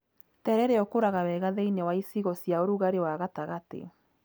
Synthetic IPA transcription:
tɛɾɛɾeɔkoɾaɣaβɛɣaðeinewaisiɣosiaoɾuɣaɾewaɣataɣatḛ

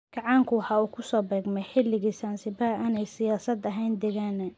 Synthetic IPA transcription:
ɡ̥ɑʕɑːŋkʰʊwɑħɑːuːkʰʊsɔːbɛːɡmɛjħɪlːɪɣiːsansɪbaʔaːnɛjsɪjaːsɐd̪ɐɦɛjnd̪ɛɣaːnɛ

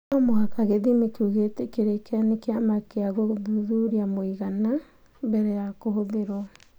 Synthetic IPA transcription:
amoɣakaɣeðimekuɣetekeɾekeanekeamakeaɣoðuðuɾiamoiɣana | bɛɾɛjakoɦoðeɾwɔ

